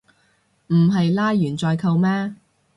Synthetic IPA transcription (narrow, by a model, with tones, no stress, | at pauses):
m̩˨˩ɦɐ˨jlaː˥jjyː˨˩nt͡sɔː˧jkʰɐ˧wmɛː˥